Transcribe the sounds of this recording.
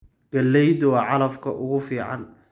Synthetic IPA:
ɡ̥ɐlːɛjd̪ʊwɑʕɑlɐfkʰɐʔʊɣʊfiːʕɑ̰n

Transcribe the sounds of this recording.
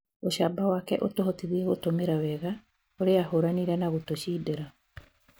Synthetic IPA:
oɕaːbawaːkɛʔotoɦotiðiɛɣotomeɾawɛɣa | oɾeahoɾaniɾɛnaɣotoɕiːdeɾa

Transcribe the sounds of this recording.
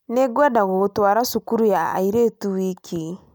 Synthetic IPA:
neɡwɛdaɣotwaːɾasukuɾujaa̰iɾeːtuwikʰi

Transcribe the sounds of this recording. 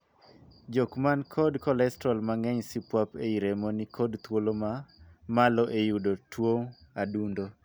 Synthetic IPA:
d͡ʒokmankʰɔdkɔlɛstɾɔlmaŋɛɲsipwapeiɾemonikɔdt̪wolomamalɔʔejudotwoŋadundo

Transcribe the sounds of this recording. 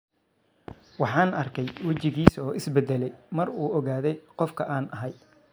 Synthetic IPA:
wɑħɑːnɐrkʰɛjwɐt͡ʃɪɣiːsɔːɪsbɛd̪ɛlɛjmɐruːʔɔɣaːðɛjqɔfkʰɐʔaːnɐɦɐj

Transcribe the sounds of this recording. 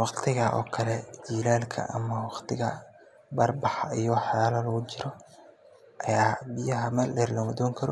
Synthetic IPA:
wɑqt̪ʰɪɣɐʔɔ̰ːkʰɐlɛd͡ʒiːlaːlkʰɐ̰ʔɐ̰mɐwɑqt̪ʰɪɣɐ | bɐrbɑħijɔħjaːlɐlɐɣʊt͡ʃɪɾɔ | ʔɐjaːbɪjɐɦɐmɛrlɛrlɐmɐd̪ɔːŋkʰɐɾɔ̰

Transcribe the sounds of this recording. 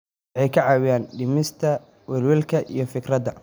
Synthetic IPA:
ʕɛjkʰɐʕɑːwɪjaːnɖɪmɪst̪ʰɐ | wɛlwɛlkʰɐʔḭjɞfɪɡrɐd̪ɐ

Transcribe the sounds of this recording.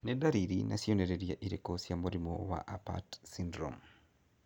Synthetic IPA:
nedaɾiɾina̰sjoneɾeɾjaʔiɾekosjamoɾimo̰wa̰ʔapa̰tsindɾɔ̰m

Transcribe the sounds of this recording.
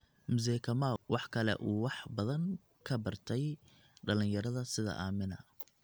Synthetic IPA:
mʊz̬ɛːkʰɐmawɑħkʰɐlɛ̰ʔuːwɑħbɐðɐŋ | kʰɐbɐrt̪ʰɛj | ɖɐlɪ̃njɐɾɐðɐsɪðɐ̰ʔaːmɪnɐ

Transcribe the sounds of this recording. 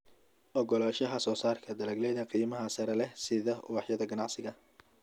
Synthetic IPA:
ʔɔɡɔlaːʃɐɦɐsɔːsaːrkʰɐd̪ɐlɐɡlɛðɐqiːmɐɦɐsɐɾɛlɛsɪðɐwɑħjɐðɐɡɐnɑʕsɪɣɐ

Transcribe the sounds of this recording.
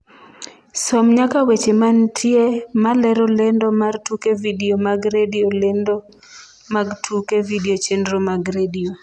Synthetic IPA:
sɔmɲakawet͡ʃemantʰjemalɛɾɔlendomartukevidiomaɡɾediolendo | maɡtʰukevidiot͡ʃendɾomaɡɾedio

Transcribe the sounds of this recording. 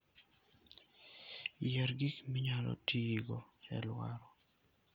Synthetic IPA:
jɛɾɡikmiɲalɔ̰tiɡɔɛ̰lwa̰ɾɔ

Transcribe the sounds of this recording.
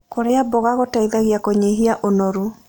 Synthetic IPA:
koɾeabɔɣaɣotaiðaɣjakoɲeɦiaʔonɔɾu

